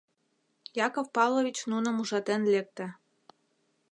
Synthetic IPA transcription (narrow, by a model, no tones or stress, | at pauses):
jɑkofpɑvlˠovʲit͡ɕnunɤ̆muʒɑt̪enlek̚t̪ɘ̆